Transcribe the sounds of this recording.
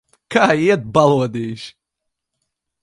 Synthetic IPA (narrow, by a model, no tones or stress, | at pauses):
kʰaːiɛt̪̚balˠuɔd̪iːʃ